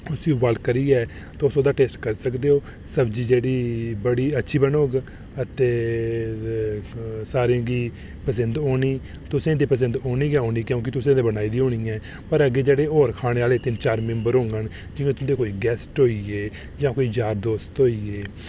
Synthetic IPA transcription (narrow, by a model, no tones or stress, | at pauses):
ʊsiːubalkəɾiːɛː | t̪aʊsõːd̪aːʈeːsʈkəɾsəkd̪eːoː | səbd͡ʒiːd͡ʒeːɽiːbəɽiːətːʃʰiːbənoːɡ | ət̪eː | saːɾãːɡiː | pəs̬ənd̪oːniː | t̪ʊsẽːd̪iːpəs̬ənd̪oːniːɡɛ̃ɦoːniːkjõːkɪt̪ʊsẽːd̪eːbənaːiːd̪iːɦoːɽ̃iːɛ̃ː | pəɾəɡeːd͡ʒeːɽeːɦoːɾkʰaːɽ̃eːaːleːt̪ɪnt͡ʃaːɾmɛ̃mbəɾõːŋɡən | d͡ʒɪ̃ŋɡẽːt̪ʊ̃d̪eːkoːiːɡɛːsʈɦoːiːeː | d͡ʒãːkoːiːd͡ʒaːɾd̪oːst̪ɦoːiːeː